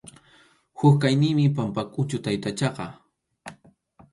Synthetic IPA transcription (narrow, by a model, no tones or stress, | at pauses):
hʊkkajnɪmɪpampakʼʊt͡ʃʊt̪ajt̪at͡ʃɑqɑ